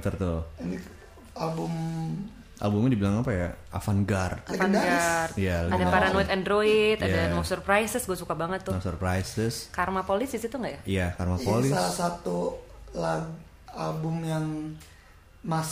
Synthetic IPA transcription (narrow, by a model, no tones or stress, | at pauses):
t̪ərt̪ʊini | albʊm | a̰lbʊmɲdibilaŋapajaa̰fanɡart̪afandaɡart̪ijaadapaɾanoit̪andɾoit̪ajdanɔsərpɾajsəsɡuasukabaŋət̪ːʊɔsərpɾajsəskarmapolisisit̪uŋɡaʔjaijakarmapolɪsalasat̪ulaɡ | albʊmjaŋ | mas